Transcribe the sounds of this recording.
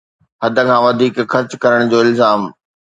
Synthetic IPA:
ɦɐd̪ʱə̆kʰãːʋɐd̪ʱiːkxɐɾt͡ɕkɐɾəɽ̃d͡ʑoːɪlzaːm

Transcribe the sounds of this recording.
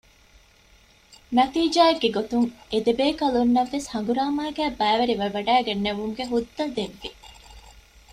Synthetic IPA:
nɐt̪iːd͡ʒaːeɡːeɡot̪uŋed̪ebeːkɐlunːɐʋːeshɐŋɡuɾaːmaːɡæːbæːʋɐɾiʋɐʋɐɖæːɡenːeʋumɡeɦud̪ːɐd̪eʋːi

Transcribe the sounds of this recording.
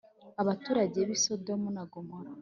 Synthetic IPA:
aβatuːɾaɟeβisodomunaɡomoɾa

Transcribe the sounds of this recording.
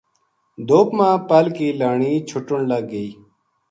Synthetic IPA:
d̪oːpmãːpəlkiːlaːɳiːt͡ʃʰʊʈʊɳləɡ̚ːəiː

